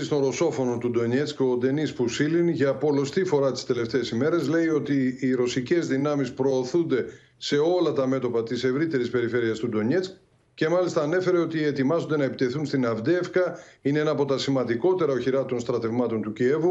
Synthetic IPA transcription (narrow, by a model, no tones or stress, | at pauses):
ist̪onɾo̞so̞fo̞no̞nt̪ud̪o̞ɲet͡sko̞d̪e̞nispusilinʝɐpo̞lo̞st̪ifo̞ɾɐt̪i̥st̪e̞le̞ft̪e̞ːsime̞ɾe̞zle̞io̞t̪iːɾo̞sice̞zðinɐmispɾo̞ːθund̪e̞ | se̞o̞lɐt̪ɐme̞t̪o̞pɐt̪ise̞vɾit̪e̞ɾispe̞ɾife̞ɾiɐst̪ud̪o̞ɲet͡sk̚ | ce̞mɐlist̪ɐːne̞fe̞ɾe̞o̞t̪ie̞t̪imɐzo̞nd̪e̞nɐepit̪e̞θunst̪inɐvd̪efkɐineenɐːpo̞t̪ɐsimɐnd̪iko̞t̪e̞ɾɐoçiɾɐt̪o̞nst̪ɾɐt̪e̞vmɐt̪o̞nt̪ucie̞vu